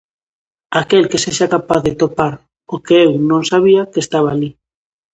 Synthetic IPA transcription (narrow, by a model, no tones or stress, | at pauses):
akelkeseʃakapaθðet̪opaɾ | okeewnõŋsaβ̞iakest̪aβ̞aːli